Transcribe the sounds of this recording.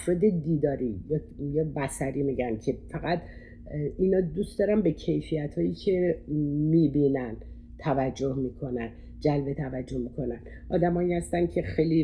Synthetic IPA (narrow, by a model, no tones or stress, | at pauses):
fɾɒːd̪ed̪iːd̪ɒːɾije | jebæsæɾiːmiɟæncʰe̞fæɣæt̪ | inɒːd̪uːst̪d̪ɒːɾænbe̞cʰe̞jfijæt̪ʰhɒːjiːcʰe̞mibiːnæn | t̪ʰævæd͡ʒːohmiːkʰo̞næn | d͡ʒælve̞t̪ʰævæd͡ʒːo̞hmikʰo̞næn | ʔɒːd̪æmɒːiːhæst̪æn̥̚cʰe̞xejli